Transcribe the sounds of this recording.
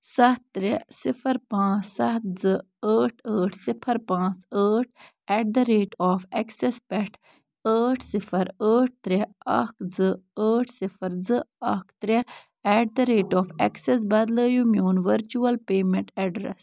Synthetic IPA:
sɐt̪ɾesipʰɐɾpãːt͡ssɐt̪zɨ | əːʈʰəːʈʰsipʰɐɾpãːt͡səːʈ̚ʰ | ɛʈ̚d̪ɐɾeːʈɔːfɛksespɛʈʰ | əːʈʰsipʰɐɾəːʈ̚ʰt̪ɾeɐkʰd͡zɨəːʈʰsipʰɐɾd͡zɨɐkʰt̪ɾe | ɛʈ̚d̪ɐɾeːʈɔːfɛkses̬bɐd̪ləːjumjoːnʋɐɾt͡ʃuɐlpeːmẽɳʈɛɖɾḛs

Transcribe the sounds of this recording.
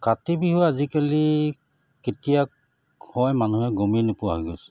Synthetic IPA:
katibiɦɔazikali | ketija | hɔjmanuɦɛɡominepʊaɦiɡɔs

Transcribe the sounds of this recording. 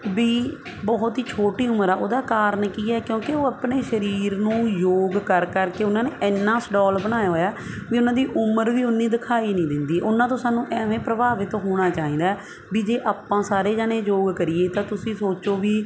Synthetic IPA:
biː | bɔːʊt̪ɦiːt͡ʃʰoːʈiːʊməɾɛːʔo̰ːd̪aːkaːɾənkiːɛːkjõːkeoːapɽeːʃəɾiːɾnũːjoːɡkəɾkəɾkeːʊnãːneːʔɪnːãːsɖɔːlbəɽ̃aːjaːɦoːjaːʋiːʊnãːd̪iːʔʊməɾʋiːʊnːiːd̪ɪkʰaːiːnĩːd̪ɪnd̪iːʔʊnãːt̪õːsaːnũːʔɛːʋẽːpɾəbaːʋɪt̪ɦoːɽ̃aːt͡ʃaːĩːd̪aː | biːd͡ʒeːʔaːpːãːsaːɾeːd͡ʒaːɽeːd͡ʒoːɡkəɾɪjeːt̪ãːt̪ʊsĩːsoːt͡ʃoːʋiː

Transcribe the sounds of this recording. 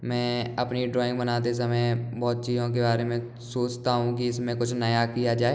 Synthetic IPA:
mɛ̃ːɐpniɖɾɔːɪ̃ŋɡbənaːt̪̬es̬ɐmɛ̃jbɔːt̪̚t͡ʃiːzõk̬ebaːɾemẽ | soːt͡ʃt̪aɦũkiɪsmẽkʊt͡ʃʰnɐjakijad͡ʒaːeː

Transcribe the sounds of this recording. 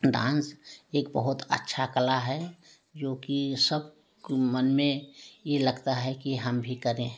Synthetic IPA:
d̪ã̰ːnseːk̚bəɦʊt̪ə̰tːʃʰakəlaɦɛ | d͡ʒoːkisəb | kmənmẽjeləɡt̪aɦɛkiɦəmbʱikəɾẽ

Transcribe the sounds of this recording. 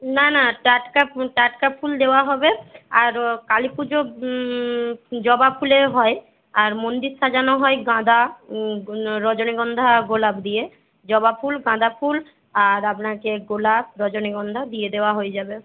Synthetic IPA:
nanaʈaʈkapʈaʈkapfʰuld̪eoaɦɔbeaɾkalipud͡ʑo | d͡ʑɔbapʰuleɦɔe | aɾmond̪iɾsʰad͡ʑanoɦɔeɡãd̪a | ɾɔd͡ʑoneɡɔnd̪ʱaɡolabd̪ije | d͡ʑɔbapʰulɡãd̪ʱapʰul | aɾapnakeɡolab̚ɾɔd͡ʑoneɡɔnd̪ʱad̪ied̪eoaɦoed͡ʑabe

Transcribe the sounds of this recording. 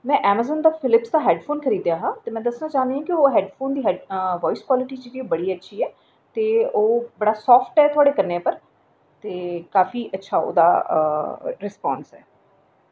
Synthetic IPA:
mɛ̃ːʔɛːməzənd̪aːpʰɪlɪpsd̪aːɦɛːɖpʰoːnkʰəɾiːd̪jaːɦãːt̪eːmɛ̃ːd̪əsnaːt͡ʃaːnd̪iãːkɪoːɦɛːɖpʰoːnd̪iːɦɛːɖʋɔːɪskwaːlɪʈiːt͡ʃed̪iːobəɽiːətːʃʰiːɛː | t̪eːoːbəɽaːsɔːfʈɛːt̪ʰʊaːɽeːkəɾneːpəɾ | t̪eːkaːfiːʔətːʃʰaːo̰ːd̪a̰ː | ɾɪspɔːnsɛ̰ː

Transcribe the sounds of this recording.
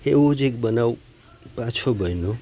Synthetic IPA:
ewod͡ʒekbənaw | pat͡ʃʰobʱəjno

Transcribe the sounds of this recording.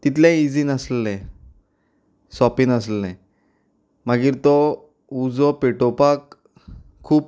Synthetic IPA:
t̪it̪ʰlɛ̃id͡zinəslɛ̃ | sɔpinəslɛ̃ | maɡiːɾt̪ɔ | ud͡zɔpeʈɔpakʰː | uːp̚

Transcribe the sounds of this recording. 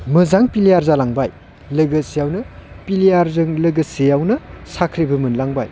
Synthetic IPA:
mɯzaŋpilijaɾzalaŋbaj | lɯɡɐsijawnɐ | pilijaɾzɯŋlɯɡɐsejawnɐsakʰɾibɐmɯnlaŋba̰j

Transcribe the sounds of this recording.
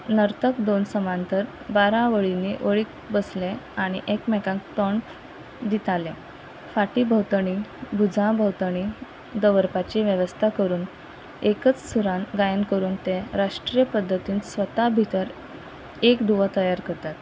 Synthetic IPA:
nəɾt̪əkd̪onsəmant̪əɾ | baɾãʋəɭineʔəɭiːk | bəslẽaɽ̃iʔekmɛkãŋk̚t̪əɳ | d̪it̪alẽ | faʈiːbʱəwt̪əɳ̃ibʱud͡zãbʱəwt̪əɳi | d̪əʋəɾpat͡ɕiʋjəʋəst̪ʰakəɾuːn | ekət͡ssuɾãnɡajənkəɾuːnt̪eɾaʂʈɾijəpəd̪ʱːət̪iːnsʋət̪abʱit̪əɾ | ekd̪uʋət̪əjaɾkəɾt̪at̪

